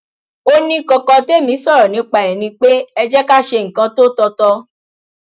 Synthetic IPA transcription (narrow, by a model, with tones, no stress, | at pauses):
o˦nĩ˦kɔ˧kɔ˧te˦˨mĩ˨˦sɔ˦˨ɾɔ˨nĩ˨˦k͡pa˨ɛ̃˨nĩ˧k͡pe˦ɛ˧d͡ʒɛ˦ka˦˨ʃe˧ŋ̩˨kã˧˦to˦tɔ˧tɔ˧